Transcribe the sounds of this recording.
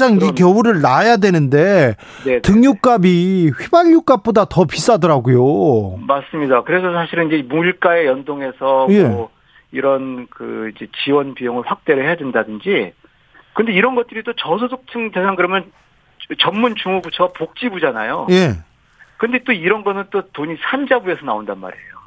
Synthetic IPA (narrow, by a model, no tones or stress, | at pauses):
d͡ʑaŋikjʌuɾɯɭnajadwe̞nɯnde̞ | netɯŋjuk͈abiɸibaʎːuk͈ap̚p͈odatʌpis͈adʌɾaɡojomas͈ɯmɲidakɯɾe̞sʰʌsʰaɕʰiɾɯnid͡ʑemuiɭk͈ae̞jʌndoŋe̞sʰʌjmeo | iɾʌnkɯ̰id͡ʑe̞t͡ɕiwʌnpijoŋɯɭɸwak̚t͈e̞ɾɯɭhe̞jadwendadɯnd͡ʑi | kɯnde̞iɾʌnɡʌt̚t͈ɯɾit͈ot͡ɕʌsʰosʰok̚t͡ɕʰɯŋtesʰaŋkɯɾʌmjʌn | t͡ɕʌmːunt͡ɕuŋubut͡ɕʰʌwapok̚t͡ɕ͈ibud͡ʑana̰joje̞ | kɯnde̞t͈oiɾʌnɡʌnɯnt͈otoɲisʰand͡ʑabuesʰʌnaondanma̰ɾiḛjo